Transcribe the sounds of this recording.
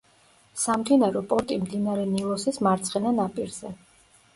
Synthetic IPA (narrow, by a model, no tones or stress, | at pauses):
samd̪inaɾɔpʼɔɾt̪ʼimd̪inaɾɛnilˠɔsismaɾt̪sʰʼχɛnanapʼiɾz̥ɛ